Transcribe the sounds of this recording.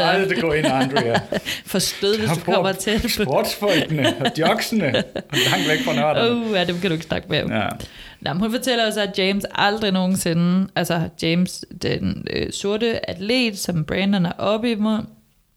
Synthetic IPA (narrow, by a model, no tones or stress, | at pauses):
d̥eɡ̥ɔ̰ːenɑnd̥ʁfɒ̽sd̥øðˠʋesd̥ukɒm̰ɐt͡sʰed̥pʰbɔːd̥sfɒlɡ̥nəd̥jɒɡ̥sənəlɑ̈ŋ̰d̥ʋeɡ̥fʁɑnɔojæd̥emkʰæɾ̥ue̝ɡ̥snɑ̈ɡ̥əb̥e | nɑ̰mnhunfɒ̽t͡sʰel̰ɐɒ̽sæjeːmsɑ̈ld̥ʁino̝ːn̩se̝nʔælsɐd̥jemsd̥enøso̝ɐɾəæd̥ʰlḛːd̥sɒ̽mb̥ʁɛnd̥ɐnæʔɒ̽b̥imɔn